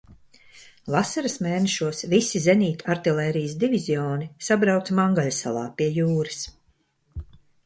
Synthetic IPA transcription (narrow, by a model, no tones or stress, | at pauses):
vasaɾɨsmeːneʃuɔsvisizenʲiːt̪ʲaɾt̪ilʲˠɛːɾijəsd̪ivizʲiɔːnisabɾawt̪smaŋɡaʎʲsa̰lˠa̰ːpiɛjuːɾɨs